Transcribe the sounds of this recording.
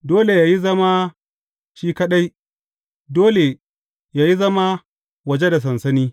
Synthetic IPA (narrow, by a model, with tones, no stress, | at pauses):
doː˦le˨jaː˨ji˦zɐ˦ma˦ | ʃiː˦kɐ˦ɗa˦j | doː˦le˨ | jaː˨ji˦zɐ˦ma˦ | wɐ˨d͡ʒe˦da˨s̬ɐ˨nsɐ˦niː˦